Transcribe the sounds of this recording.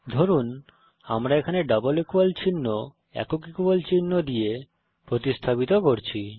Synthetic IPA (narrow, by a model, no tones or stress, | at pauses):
d̪ʱoɾun | amɾaekʰaneɖabolekualt͡ɕinːo | ɛ̰kokikubolt͡ɕinːod̪ije | pɾot̪ist̪ʰapit̪okoɾt͡ɕʰi